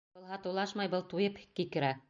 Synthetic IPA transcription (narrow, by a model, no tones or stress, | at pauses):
bɤlˠɦɑt̪ɤ̆wlˠɑʃmɑjbɤlˠt̪ujɤpkikɘ̆ɾæ